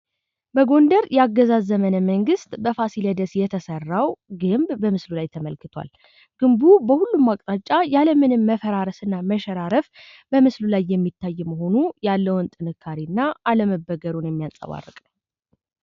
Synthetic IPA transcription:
bəɡo̞nd̪əɾjaɡːəzazəmənəməŋɡɨst̪bəfasiləd̪əsjɛt̪ʰəsərːawɡɨmbbəmɨslulajt̪ʰəməlkɨt̪ʰwa̰l | ɡ̥ɨmbubəhulːumːakʼt̪ʼat͡ʃʼːajaləmɨnɨmːəfəɾaɾəsɨnːaməʃɛɾaɾəf | bəmɨslulajːɛmːit̪ʰːajːməɦo̞nujalːəwnt̪ʼɨnɨkʰːaɾinːaʔaləməbːəɡəɾunjɛmːijasʼə̰βa̰rːɨkʼnəw

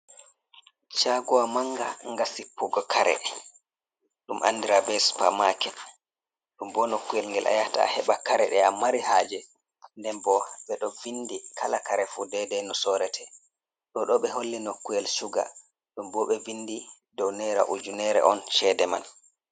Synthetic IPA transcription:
t͡ʃaɡɔwamaŋɡaŋɡasipːuɡɔkʰaɾɛ̰ | ɗumʔa̰nːdiɾabɛspa̰makɛ | ɗumbɔnokːujɛlŋɡɛlʔa̰jata̰a̰hɛɓakaɾɛɗɛamaɾihaːd͡ʒɛ | ndɛnbɔɓɛɗɔvindikʰalakaɾɛfudɛdɛnɔsɔɾɛtʰɛ | ɗɔɗɔɓɛɦolːinokːujɛlsuɡa̰ | ɗumbɔɓɛvinːdi | dɔwnɛɾa̰ʔud͡ʒunɛɾɛ̰ʔɔnʃɛdɛma̰n

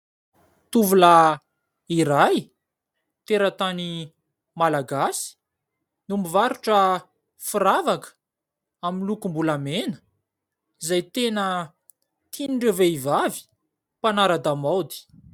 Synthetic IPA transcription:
t̪uvula | iɾaj | t̪eɾət̪ani | malaɡasi̥ | numivaɾuʈ͡ʂə | fuɾavakə̥ | aminlukumbulamenə̥ | izajt̪enə | t̪ʰiniɳɖ͡ʐeveivavi̥ | panaɾad̪amawd̪i̥

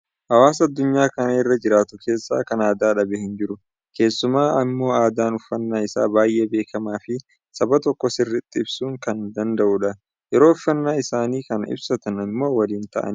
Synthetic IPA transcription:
hɐwaːs̬ɐd̪ːʊɲːaːkɐnɐɪrːɐd͡ʒɪɾaːt̪ʊkʰe̞ːsːa̰ːkɐnaːd̪aːᶑɐbɛhɪnd͡ʒɪɾʊ | ke̞ːsːʊmaːɐmːo̞ːaːd̪aːnʊfːɐnːaːɪsa̰ːbaːjʔebe̞ːkʰɐmaːfɪ | sɐbɐt̪ɔkːɔsɪrːɪt̪ʼːɪɪbsuːŋkɐnd̪ɐnd̪ɐʔuᶑɐ | jɛɾo̞ːʊfːɐnːaːɪsaːniːkɐnɪ̰bsɐt̪ɐnɐmːo̞ːwɐliːnt̪ɐ̰ʔɐ̰n

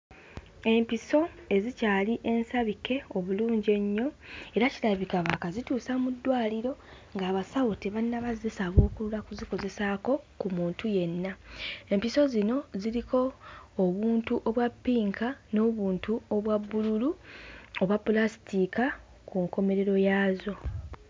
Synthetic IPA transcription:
e̞mpiso̞e̞zicaːliʔe̞nsaβike̞o̞βuluːɲɟe̞ɲːo̞e̞ɾacilaβikaβakazituːsamudːwaːliɾo̞ | ŋɡaːβasawutiβannːaβazesaβo̞ːkuɾulakuziko̞ze̞sako̞kumuːntuje̞nːae̞mpiso̞zino̞ziɾiko̞ːβuːntuʔo̞βwapːiːŋkano̞ːβuːntuo̞βwabːululuoβwapːulasi̥tika | kuŋko̞me̞ɾe̞ɾo̞jaːzo̞

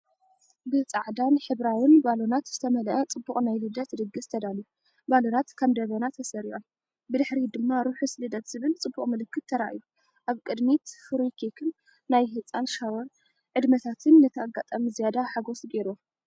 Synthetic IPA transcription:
bɨt͡sʼaʕd̪anħɨβɾawɪnbalo̞nat̪z̥ɨt̪ʰɐmɐlʔɐt͡sʼɨbːuχʼnajlɨd̪ɐt̪d̪ɨɡɨst̪ʰɐd̪alu | balo̞nat̪kʰɐmd̪ɐβɐnat̪ʰɐsɐɾiʔom | bɨd̪ɨħɾid̪ɨmːaɾuħuslɨd̪ɐt̪z̥ɨβɨlt͡sʼɨbːuχʼmɨlɨkːɨt̪̚ʰːɐɾa̰ʔju | ʔaβkʼɨd̪mit̪fɨɾukʰekʰɨnː | ajɦɨt͡sʼanʃawoɾ | ʕɨd̪mɐt̪ʰat̪ʰɨnːɨt̪ʰɐaɡːat̪ʼamizijad̪aħaɡosɡeɾo

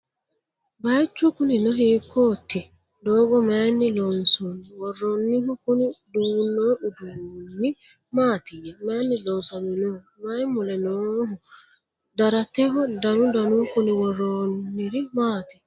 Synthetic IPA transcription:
bat͡ʃːukuninɔɦikʰotːi | dɔɡɔmanːilɔnsuniwɔɾɔnːihɔkunidunːɔudunːi | maːt̪iɾimanːidɔnsaminɔ | majmulɛnɔɦɔ | daɾatɛɦɔdanudanukuniwɔɾɔnːiɾimaːti

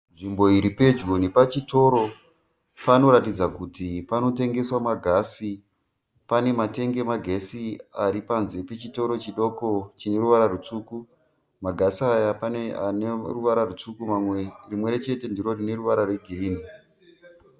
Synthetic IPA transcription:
nʐimbo̞iɾipe̞d͡ʒɡonepat͡ʃito̞ɾo̞ | pano̞ɾatid͡zakutipano̞te̞ŋɡe̞swamaɡʱasi | pane̞mate̞ŋɡe̞maɡʱe̞siaɾipanze̞pe̞t͡ʃito̞ɾo̞t͡ʃiɗo̞ko̞t͡ʃine̞ɾuʋaɾarut͡suku | maɡʱasajapanea̰neruʋaɾarut͡sukumamwerimwe̞ɾet͡ʃe̞te̞ndiɾo̞rine̞ruʋaɾarwe̞ɡʱiriːni

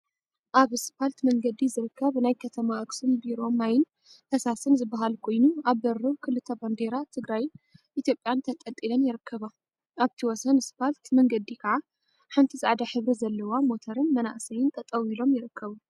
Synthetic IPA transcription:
ʔaβspʰalt̪mɐŋɡɐd̪izɨɾɨkʰːɐβnajkʰɐt̪ʰɐmaʔɨksunbiɾo̞mːajɪn | t̪ʰɐsasɨnzɨbːaɦalkʰo̞jnuaβːɐɾɨkʰɨlɨt̪ʰːɐband̪eɾat̪ʰɨɡɾajʔit̪jo̞pʼjant̪ʰɐt̪ʼɐt̪ʼːilɐmjɪɾɨkʰːɐβa | ʔaβt̪ʰiwɔsɐnspalt̪mɐŋɡɐd̪ikʰɐʕa | ħɨnt̪ʰisaʕd̪aħɨβɾizɐlːɐwamo̞t̪ʰɐɾɨnmɐna̰ʔsɐjɪnt̪ʰɐt̪ʼɐwilo̞mjɪɾɨkʰːɐβu

